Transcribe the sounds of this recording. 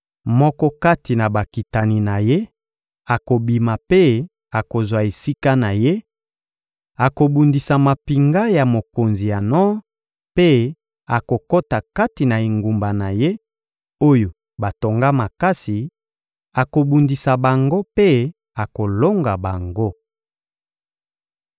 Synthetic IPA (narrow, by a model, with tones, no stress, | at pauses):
mɔ˦kɔ˦ka˦ti˨na˨ba˨ki˨ta˨ni˨na˨je˦ | a˨ko˨bi˨ma˨pe˦ | a˨ko˨zwa˨e˨si˦ka˦na˨je˦ | a˨ko˨bu˨ndi˨sa˨ma˨pi˨ŋɡa˦ja˨mo˨ko˨nzi˨ja˨nɔ˦ | pe˦ | a˨ko˨ko˦ta˨ka˦ti˨na˨e˨ŋɡu˨mba˨na˨je˦ | o˦jo˨ | ba˨to˨ŋɡa˦ma˨ka˦si˨ | a˨ko˨bu˨ndi˨sa˨ba˨ŋɡo˦pe˦ | a˨ko˨lo˦ŋɡa˨ba˨ŋɡo˦